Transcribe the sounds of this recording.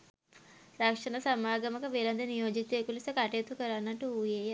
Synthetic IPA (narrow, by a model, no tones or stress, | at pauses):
ɾɐkʂɐnɐsɐmaːɡɐmɐkɐʋeːlɐnd̪ɐnijoːd͡ʒik̚t̪ekulisɐkɐʈeːt̪ukɐɾanːɐʈːuuːjeːj